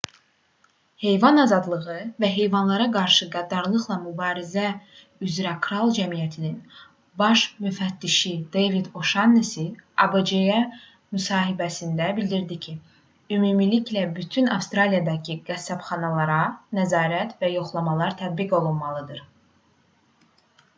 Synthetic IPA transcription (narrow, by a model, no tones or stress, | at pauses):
he̞jvɑnɑzɑd̪lˠɯɣɯvæɦe̞jvɑnlˠɑɾɑɡɑɾʃɯɡæd̪ɑɾlˠɯχlˠɑmybɑːɾizæ | yzɾækʰɾɑlˠd͡ʒæmijæt̪ʰinin | bɑʃmyfæt̪ːiʃid̪̥ejvid̪o̞ʃɑnːesiɑbed͡ʒejæ | mysɑːɦibæsind̪æbilʲd̪iɾd̪icʰi | ymuːmiliclæbyt̪ʰynɑfst̪ɾɑlijɑd̪ɑcʰiɡ̥æsːæbχɑnɑlˠɑɾɑnæzɑːɾæt̪væjo̞χlˠɑmɑlˠɑɾt̪ʰæd̪̚biɡo̞lˠunmɑlˠɯd̪ɯɾ